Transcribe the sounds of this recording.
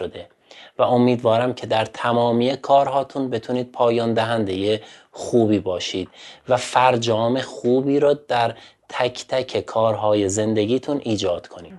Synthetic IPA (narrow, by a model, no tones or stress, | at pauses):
od̪e̞ | væo̞miːd̪vɒːɾæmcʰe̞d̪æɾt̪ʰæmɒːmiːjekʰɒːɾɦɒːt̪ʰunbe̞t̪ʰuːniːd̪̥̚pʰɒːjɒːnd̪æɦænd̪e̞je | xuːbiːbɒːʃiːd̪̥̚væfæɾd͡ʒɒːme̞χuːbiːɾɒːd̪̥æɾt̪ʰæcʰt̪ʰæcʰe̞kʰɒːɾɦɒːje̞ze̞nd̪e̞ɡiːt̪ʰunʔiːd͡ʒɒːd̪̥kʰo̞nḭːd̪̥